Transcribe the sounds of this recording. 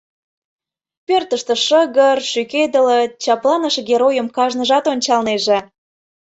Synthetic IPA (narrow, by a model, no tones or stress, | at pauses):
pørt̪əʃt̪ə̆ʃəɣərʃyked̪ələt͡ɕɑplɑnəʃɡeɾojəmkɑʒnəʒɑt̪onʲt͡ɕɑlneʒĕ